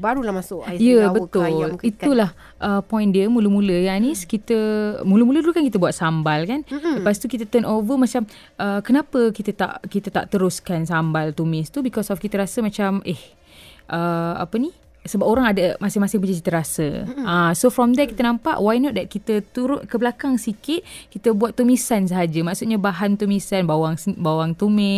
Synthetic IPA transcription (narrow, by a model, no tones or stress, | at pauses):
baɾulamasʊʔjəbət̪ʊlit̪ulah | ʔəpɔj̃ndiəmuləmuləjaniskit̪əmuləmulət̪ukankit̪əbuat̪̚sambalkandəpast̪ukit̪ət̪ənovəmat͡ʃam | ʔəkənapəkit̪ət̪a̰ʔkit̪ət̪a̰ʔt̪əɾʊskansambalt̪umɪ̃st̪ubikɔsɔfkit̪əɾasəmat͡ʃamʔeh | ʔəa̰pəni | səbapoɾaŋadamasɪhmasɪŋbəd͡ʒəki̥t̪əɾasə̰ãsofɾɔmd̪ɛkit̪ənãmpa̰ʔwajnɔʔ̪̚d̪ɛt̪̚kit̪ət̪uɾʊnkəbəlakaŋsikɪt̪̚kit̪əbuat̪ːumisans̬əɦad͡ʒəmaʔsut̪̚ɲabaɦant̪umisanbawaŋbawaŋt̪umɪ